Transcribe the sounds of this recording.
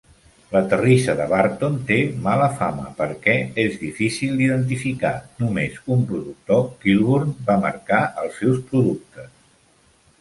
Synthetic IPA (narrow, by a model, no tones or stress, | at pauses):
lət̪ərisəðəβaɾt̪ont̪emaləfamə̰pəɾkɛezðifisilˠd̪iðənt̪̬ifikanumezumpɾuðuk̚t̪okilˠβoɾnbamə̰ɾkaʔəlˠsːɛwspɾuðuk̚t̪əs